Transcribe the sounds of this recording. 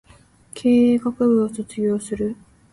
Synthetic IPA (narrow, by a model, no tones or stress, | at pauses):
kʰeːkakɯ̟bɯ̟osot͡sɨɡʲo̞ːsɨɾɯ̟